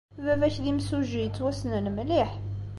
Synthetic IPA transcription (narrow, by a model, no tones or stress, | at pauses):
vævæçðimsuʒijət͡sːwæsnənmliħ